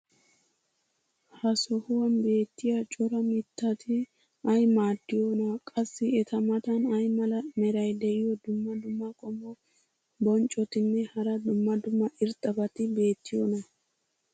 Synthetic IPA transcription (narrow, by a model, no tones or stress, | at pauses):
hɐsɔhʊwɐnbe̞ːt̪ːɪjat͡ʃʼɔɾɐmɪt̪ːɐt̪ʰɪ | ɐjmaːd̪ːɪjonɐkʼɐsːɪɛt̪ɐmɐt̪ɐnɐjmɐlɐmɛɾɐjd̪ɛʔɪjɔd̪ʊmːɐd̪ʊmːɐkʼɔmːɔ | bɔnt͡ʃʼːɔt̪ɪnːɛhɐɾɐd̪ʊmːɐd̪ʊmːɐʔɪɾt̪ʼːɐbɐt̪ɪbe̞ːt̪ːɪjɔnɐ